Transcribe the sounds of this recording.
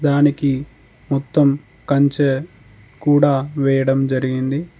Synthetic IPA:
d̪aːniki | mɔt̪ːɐm | kɐɲt͡ʃe | kuːɽaːʋɛːjɐɽɐmd͡ʒɐɾiɡind̪i

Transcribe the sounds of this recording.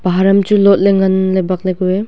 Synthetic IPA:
b̥aɦaɾɐmt͡ʃulɔt̚leŋɐnlajbak̚lajɡue

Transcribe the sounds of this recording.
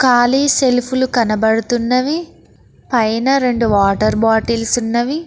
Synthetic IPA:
kaːliːse̞lpʰulukɐnɐbɐɽut̪unːɐʋi | pɐjnɐɾe̞ɳɖuʋaːʈɐɾbaːʈiːlsunːɐʋi

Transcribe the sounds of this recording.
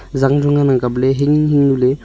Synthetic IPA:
zaŋdɯŋanaŋkableɦeŋhiŋnule

